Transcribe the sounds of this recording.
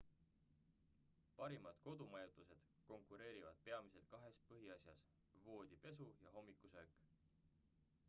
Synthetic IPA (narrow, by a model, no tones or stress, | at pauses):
pɑɾimɑd̪̥ko̞d̪̥umɑjut̪ˑuse̞d̪̥ | ko̞ŋkˑuɾe̞ːɾivɑ̰d̪̥̚pe̞ɑmise̞lt̪̚kɑɦe̞spɤɦiɑsjɑs | vo̞ːd̪̥ʲipe̞s̬ujɑɦo̞mːikːˑusøːkˑ